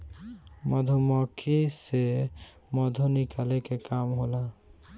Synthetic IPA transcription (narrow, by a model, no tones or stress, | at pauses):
mɔd̪ʱomɔkʰese | mɔd̪ʱonikʰalekekamɦola